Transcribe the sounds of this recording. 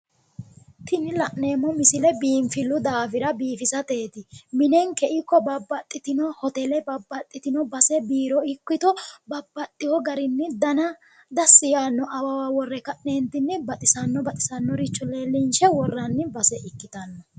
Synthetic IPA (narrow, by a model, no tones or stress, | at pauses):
t̪ʰɪnɪlɐʔneːmːɔmɪsɪlɛbiːmfɪlːʊd̪aːfɪɾɐbiːfɪsɐt̪e̞ːt̪ɪmɪnɛŋkɛʔɪkːɔbɐbːɐt̪ʼːɪt̪ɪnɔhɔt̪ɛlɛbɐbːɐt̪ʼːɪt̪ɪnɔbɐsɛbiːɾɔɪkːɪt̪ɔbɐbːɐt̪ʼːɪhɔɡɐɾɪnːɛd̪ɐnɐ | d̪ɐsːɪjaːnːɔʔɐwɐwawɔrːɛkɐʔneːnt̪ɪnːɛbɐt̪ʼɪsɐnːɔbɐt̪ʼɪ̥sɐnːɔɾɪt͡ʃːɔleːlːɪnʃɛwɔrːɐnːɪbɐsɛʔɪkːɪt̪ɐnːɐ